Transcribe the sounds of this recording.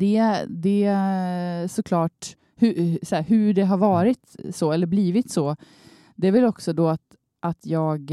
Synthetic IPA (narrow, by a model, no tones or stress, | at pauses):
d̪̥ɛd̪ɛ | sɔkʰlɑːʈ | hɵsæːɾɦɵɖɛɦaɾvɑːɾɪt̪sɔɛlːəɾbliːvɪt̪sɔ | d̪ɛæɾvɛlɔksɔd̪ɔat̪ | ʔat̪ʰjɑːɡ